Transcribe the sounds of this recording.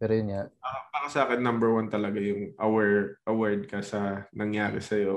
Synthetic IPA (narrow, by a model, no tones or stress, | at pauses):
pɛːɾojʊnŋaʔɐbaːɾɐsɐʔaːkɛnːɐmbɛɹwant̪ɐlɐɡajʊŋʔɐwɛɹʔɐwɛɹd̪̚kɐsɐnɐŋjaːɾɛ̰sɐjo